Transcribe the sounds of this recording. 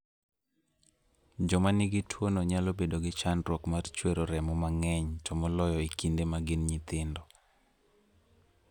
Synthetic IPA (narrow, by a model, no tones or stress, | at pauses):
d͡ʒɔmanɪɡɪtʰwonoɲalobedoɡɪt͡ʃanɾwɔkmart͡ʃweɾoɾɛmɔmaŋɛɲtʰɔmɔlɔjɔikindemaɡɪnɲɪt̪ɪndɔ